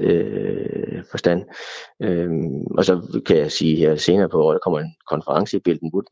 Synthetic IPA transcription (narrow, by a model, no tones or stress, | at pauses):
ø | fɒ̽sd̥æn̰øʔɒ̽sɒ̽kʰæjäsiːheɐ̰se̝ːnɐːpʰɒɒ̰ːd̥ɑkʰɒ̽m̰ɐe̝nkʰɒ̽nfɐʁɑ̈ŋsəib̥e̝l̰d̥n̩ʋud̥